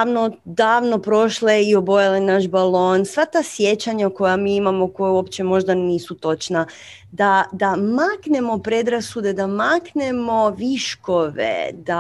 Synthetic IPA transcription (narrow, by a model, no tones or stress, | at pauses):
ʋnod̪aːʋno̞pɾo̞ʃleio̞bo̞jelenaʃbalo̞nsʋat̪aːsje̞t͡ɕaɲako̞jamiːimamo̞ko̞jeuo̞pt͡ɕe̞mo̞ʒd̪aniːsut̪o̞t͡ʃna | d̪ad̪amakne̞mo̞pɾe̞d̪ɾasud̪e̞d̪amakne̞mo̞ʋiʃko̞ʋḛd̪a